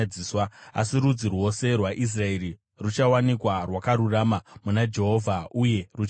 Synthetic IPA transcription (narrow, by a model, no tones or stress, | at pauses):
d͡ziːswaa̰siɾud͡zirwo̞se̞rwaʔis̬rae̞ɾi | rut͡ʃawanikwarwakaɾuramamunad͡ʒe̞ɦo̞ːvʱauje̞rut͡ʃ